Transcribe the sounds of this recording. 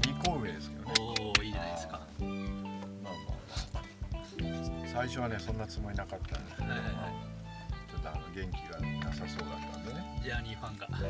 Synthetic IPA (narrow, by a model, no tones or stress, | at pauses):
ɲʲikoːmed̪esɨ̥k̪ːiːad̪eska | mama̰maa | saiɕo̞βane̞sõ̞nːat͡sɨmo̞inakat̪ːã̰nd̪eskeahaai | t̪ʰad̪aːnoɡẽ̞ŋkʲiɡanasaso̞ːd̪at̪ːa̰d̪ened͡ʑaɲʲiɸãŋɡa